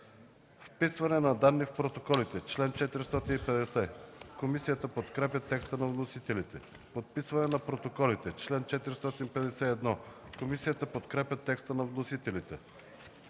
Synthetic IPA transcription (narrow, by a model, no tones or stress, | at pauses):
fpisvɐnɛnɐd̪anːifpɾot̪okɔlit̪ɛt͡ʃlɛnt͡ʃɛt̪iɾist̪ɔt̪inipɛd̪ɛsɛkomisijət̪əpot̪kɾɛpʲjət̪ɛkst̪ənɐvnosit̪ɛlit̪ɛ | pot̪̚pisvɐnɛnɐpɾot̪okɔlit̪ɛt͡ʃlɛnt͡ʃɛt̪iɾist̪ɔt̪inpɛd̪ɛsɛɛd̪nɔkomisijət̪əpot̪kɾɛpʲjət̪ɛkst̪ənɐvnosit̪ɛlit̪ɛ